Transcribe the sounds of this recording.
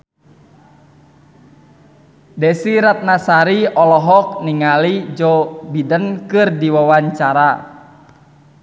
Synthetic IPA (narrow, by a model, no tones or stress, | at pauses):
dɛsiɾat̪̚nasaɾiɔlɔɦɔk̚niŋalid͡ʒɔbidənkɨrdiwawaɲt͡ʃaɾa